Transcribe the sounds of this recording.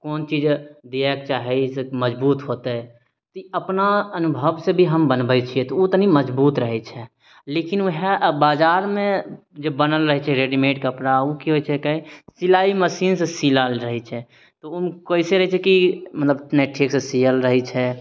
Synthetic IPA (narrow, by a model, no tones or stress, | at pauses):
koːnt͡ʃid͡ʒd̪iɛkt͡ʃaːɦɛsməd͡ʒbuːt̪ɦot̪e | t̪iəpnaənʊbʱəʋsebʱiɦəmbənbɛt͡ʃʰiɛt̪ɔut̪niməd͡ʒbuːt̪ɾəɦɛt͡ʃʰɛ | lekinuɦɛbaːd͡ʒaːɾmẽ | d͡ʒəbənəlɾəɦɛt͡ʃʰɛɾeɖimeʈkəpɾaukiɦojt͡ʃʰɛkaisilaiməsiːnsesiləlɾəɦɛt͡ʃʰɛ | t̪oumkoiseɾəɦɛt͡ʃʰɛkimət̪ləbneʈʰɾiksesiəlɾəɦɛt͡ʃʰɛ